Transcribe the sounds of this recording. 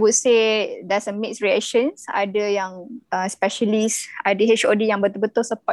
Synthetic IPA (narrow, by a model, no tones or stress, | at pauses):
wut̚sedɛsəmik̚sɹiɛkʃənsa̰dəjaŋəspɛʃəlisadəɦet͡ʃodijãŋbət̪ʊbət̪ʊsəpɔ